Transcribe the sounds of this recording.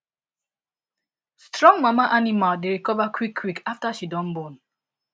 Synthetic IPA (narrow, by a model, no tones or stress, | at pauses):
stɹɔ̃ŋɡmamaʔanimaldeɾikɔvakwikʰːwikaftaʃidɔ̃m̩bon